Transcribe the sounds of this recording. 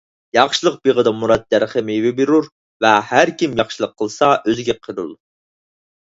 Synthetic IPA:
jɑχʃilˠəq̚b̥eʁəd̪ɑmuɾɑd̪̚d̪æɾχəmɪvɪbeɾuɾ | vɛhæɾkʲimjɑχʃilˠəqʰːəlˠsɑʔøzɪɡʲɛqʰəɾṵlˠ

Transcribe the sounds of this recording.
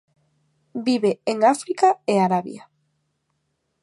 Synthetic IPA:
biβeeŋafɾikaeaɾaβj̰a

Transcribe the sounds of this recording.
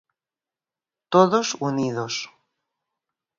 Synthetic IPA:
t̪oðosuniðos

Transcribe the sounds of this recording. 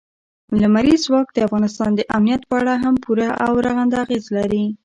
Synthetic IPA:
lamaɾizwɑk̚d̪əafɣɑnɪst̪ɑnd̪əʔamnijat̪pəaɽaɦampʰuɾaʔa̰wɾaɣand̪aaɣezlaɾi

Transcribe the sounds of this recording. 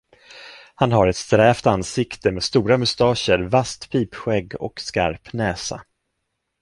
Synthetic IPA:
hanɦaɾɛt̪st̪ɾɛːft̪ansɪkt̪əmeːd̪st̪uːɾamɵst̪ɑːɕəɾvast̪pʰiːpɧɛɡːɔ̰kska̰ɾpnɛːsa̰

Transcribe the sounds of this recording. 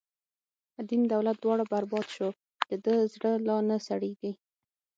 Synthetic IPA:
d̪imd̪awlat̪̚d̪wɑɽabaɾbɑd̪ʃo | d̪d̪̥əd̪əzɽəlɑnəsaɽeɡi

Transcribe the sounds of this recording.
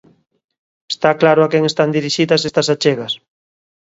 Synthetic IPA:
e̥st̪aklaɾʊakɛŋest̪and̪iɾiʃiðɐsest̪ɐsat͡ʃeɣɐs

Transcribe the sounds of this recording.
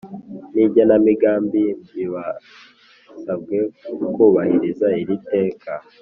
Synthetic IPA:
niɟanamiɡaːmbiiβa | sab̚ɡe̞kuβahiɾezaiɾite̞ːkʰa

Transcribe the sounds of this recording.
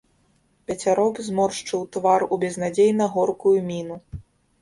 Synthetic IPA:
pʲɐt͡sʲaɾɔbzmɔrʂt͡ʂɨwt̪varubʲɛznad͡zʲejnɐɣɔrkujumʲinu

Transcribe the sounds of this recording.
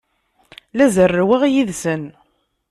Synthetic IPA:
læzərːwaʁjiðsən

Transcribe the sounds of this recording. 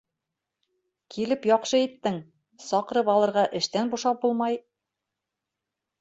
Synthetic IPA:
kʰilɘpjɒqʃɤit̪ːɘŋ | sɒqɤ̆ɾɤpɑlˠɤ̆ɾʁɑʔɘ̆ʃt̪ænbuʃɑp̚bulˠmɑj

